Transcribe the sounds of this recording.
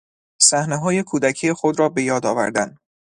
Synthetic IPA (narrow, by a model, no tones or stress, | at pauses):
sæhneɦɒːje̞kʰuːd̪æcʰijexo̞d̪ɾɒːbe̞jɒːd̪ɒːvæ̰ɾd̪æn